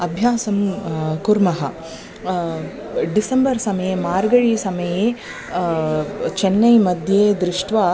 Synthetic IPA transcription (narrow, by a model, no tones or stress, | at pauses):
ɐbʱjaːsɐmkuɾmɐɦɐ | ɖisɐmbɐɾsɐmɐjemaːɾɡɐɻiːsɐmɐjeː | t͡ʃenːɐjmɐd̪ʱjeːd̪ɾɪʂʈʋaː